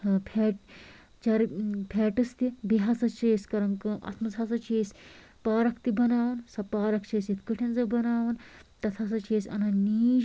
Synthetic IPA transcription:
pʰeːʈ | t͡ʃɐɾpʰeːʈɨst̪ibiɦɐsɐt͡ʃeːsʲkɐɾɐŋkɨʔɐ̰t̪ʰmɐzɦɐsɐt͡ʃeːsʲ | paːɾɐkʰt̪ibɐnaːʋɐnsɐpaːɾɐkt͡ʃeːsit̪ʰkɨʈʰɐnzɐbɐnaːʋɐnt̪ɐt̪ʰɐsɐt͡ʃeːsʲɐ̰nɐniːd͡ʒ

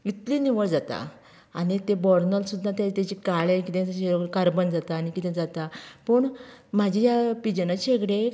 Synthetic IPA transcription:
it̪liniʋəɭd͡zat̪a̰ | a̰ɽit̪ebɔɾnəlsud̪ʱːat̪jat̪at͡ɕikaɭekit̪ẽɕekaɾbənd͡zat̪aːnikit̪ʰẽd͡zat̪apəɳm̤ad͡ʑijapid͡ʑənat͡ɕeɡɽe

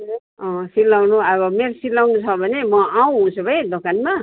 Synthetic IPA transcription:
ʌ̃silːawnuʌβʌmeɾsilːawnut͡sʰʌbʱʌnemʌaw̃ɦũt͡sʰubʱʌjd̪okanma

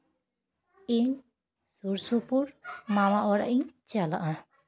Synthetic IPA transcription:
iɲ | suɾsupuɾmamaʔɔɾa̰ʔiɲt͡ʃala̰ʔã

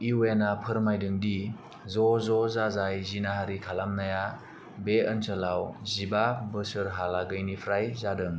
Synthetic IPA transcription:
iwenapʰɯɾmajdɯŋdi | zɔzɔzazajzinaɦaɾikʰalamnaja | beənsɯlawzibabɯsɯɾɦalaɡɯjnipʰɾajzadɯŋ

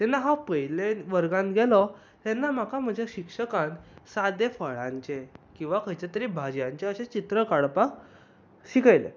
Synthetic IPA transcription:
t̪ɛnːaɦapəɦileʋəɾɡãnɡʱɛlɔ | t̪ɛnːam̤akam̤əd͡ʑʱjaɕikʂəkãnsad̪efəɭãɲt͡ɕekĩw̃ʋakʰəjt͡ɕet̪əɾibʱad͡ʑjãɲt͡ɕeəɕẽt͡ɕit̪ɾəkaɭpak | ɕikəjlḛ

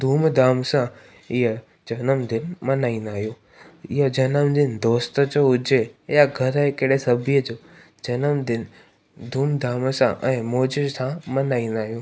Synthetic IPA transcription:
d̪ʱuːmd̪ʱaːmsã | ɪɦə | d͡ʑɐnəmd̪ɪnmɐnaːĩːnd̪aːɦijoː | ɪɦəd͡ʑɐnəmd̪ɪnd̪oːst̪ə̆d͡ʑoːʊd͡ʑejaɡʱɐɾɦekeɽesɐbʱijəd͡ʑoː | d͡ʑɐnəmd̪ɪn | d̪ʱuːmd̪aːmsã̰ʔɛ̃ːmoːd͡ʑɪzsãmɐnaːĩːnd̪aːɦijoː

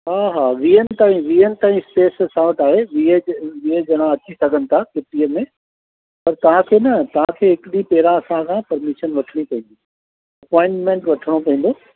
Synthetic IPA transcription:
ɦaːɦaːʋiːənɪ̆t̪aːĩʋiːənɪ̆t̪aːĩspeːssãːʋəʈaːɦeʋied͡ʑʋiəd͡ʑɐɽ̃ãɐt͡ɕisɐɡʱənɪ̆t̪ʰakɪʈiəmẽ | pɐɾt̪ɐʋ̤ãkʰeːnɐt̪ɐʋ̤ãkʰeːɦɪkɪɗipeːɾãɐsãkʰãːpɐɾmɪʃənʋɐʈʰəɽ̃ipɐ̃ĩːnd̪i | ɐpɔːɪ̃ɳʈmẽɳʈʋɐʈʰəɽ̃opɐ̃ɦĩːn̆d̪oː

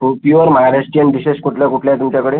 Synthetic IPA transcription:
pjuəɾmaaɾesʈiənɖiɕeɕkuʈʰljakuʈʰljajt̪umt͡ɕakəɽe

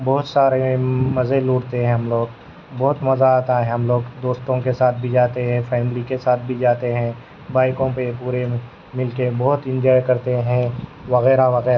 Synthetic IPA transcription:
bɔːʊt̪saːɾẽmɐzeluːɽt̪eɦɛ̃ɦɐmloːɡ | bɔɦʊt̪mɐzaaːt̪aɦɛ̃ɦɐmloːɡd̪oːst̪õkesaːt̪̚ʰbʱid͡ʒaːt̪eɦɛ̃fɛːmlikesaːt̪̚ʰbʱid͡ʒaːt̪eɦɛ̃ | baːɪkõpepuːɾe | mɪlkebɔɦʊt̪ɪ̃ɲd͡ʒɔːjkɐɾt̪eɦɛ̃ʋɐɣɛːɾaʋɐɣɛːɾa

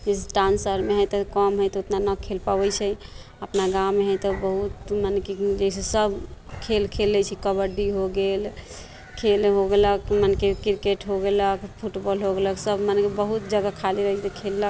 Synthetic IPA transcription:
d͡ʒɛseʈɾãnsəɾmeɦəjt̪ɔkəmɦəjt̪ɔot̪nanəkʰelpabɛt͡ʃʰɛ | əpnaɡawmeɦəjt̪ɔbəɦut̪maneked͡ʒəjsesəbʱkʰelkʰelːɛt͡ʃʰɛkəbəɾɖiɦoɡel | kʰelɦoɡeləkmanekekiɾkeʈɦoɡeləkpʰuʈbɔlɦoɡeləksəbmanekebəɦut̪̚d͡ʒəɡakʰaliɾəɦɛt͡ʃʰɛt̪ɔkʰelːək

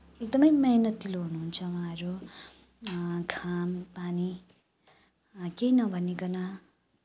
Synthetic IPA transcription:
ek̚d̪ʌmʌjmʌɦnʌt̪iloɦunuɦunt͡sʰʌwaãɾo | kʰampani | kejnʌbʱʌnːiɡʌna

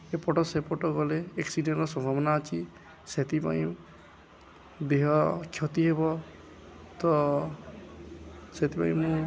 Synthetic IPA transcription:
epɔʈɔsepɔʈɔɡɔleːksiɖenɾɔsɔbʱabɔnaːt͡ʃi | set̪ipa̰ĩ | d̪eɦɔkʰjɔt̪iɦebɔ | t̪ɔ | set̪ipa̰j̃mũ

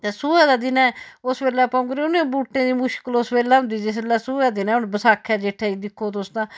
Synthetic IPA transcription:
t̪eːsuːɛːd̪aːd̪ɪnɛ̃ːʊsbeːlɛːpãʊ̃ŋɡɾeːʊnẽbuːʈːẽːd̪iːmʊʃkəlosbeːlɛːɦʊ̃nd̪iːd͡ʒɪs̬eːlːɛːsuːɛːd̪ɪnɛ̃ːʊnbəsaːkʰːɛːd͡ʒeːʈʰːɛːiːd̪ɪkʰːoːt̪ʊsd̪ãː

